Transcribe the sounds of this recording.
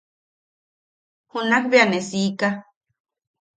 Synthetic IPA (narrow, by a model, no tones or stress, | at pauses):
hunakbeanesiːka